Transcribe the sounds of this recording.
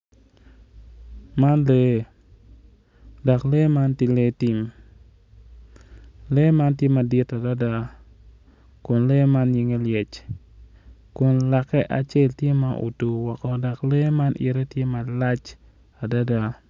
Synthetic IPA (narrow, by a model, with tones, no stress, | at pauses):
ma˦nle˦ | da˨kle˦ma˦nti˦le˦tɪ˦m | le˦ma˦ntje˦ma˨dɪ˦ta˨da˦da˦ | kʊ˨nle˦ma˦nɲi˨ŋe˦ljɛ˨t͡ʃ | kʊ˨nla˨kɛ˦ʔa˨t͡ʃe˦ltje˦ma˨ʔṵ˨tu˨wɔ˨kɔ˨da˨kle˦ma˦nʔḭ˨ɾe˦tje˦ma˨la˦t͡ʃ | a˨da˦da˦